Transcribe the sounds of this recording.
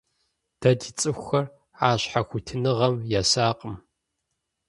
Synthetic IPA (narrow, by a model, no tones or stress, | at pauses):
d̥ɐdit͡sʼɨxʷxɐr | aːɕħaxʷʊtʰɨnɨʁɐmjasaːqʼəm